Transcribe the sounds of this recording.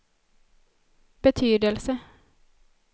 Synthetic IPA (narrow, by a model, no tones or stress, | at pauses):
b̥ət̪ʰyːd̪əlsə